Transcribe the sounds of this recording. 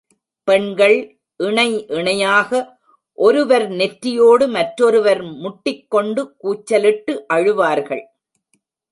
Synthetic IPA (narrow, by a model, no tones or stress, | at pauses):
pɛɳɡɐɭ | ʔɪɳɐɪʔɪɳɐjaːɣɐ | ʔɔɾɯʋɐɾnɛʈɾɪjoːɽɯmɐʈɾɔɾɯʋɐɾmʊʈːɪkːɔɳɖɯkuːt͡ʃːɐlɪʈːɯʔɐɻɯʋaːɾɣɐ̰ɭ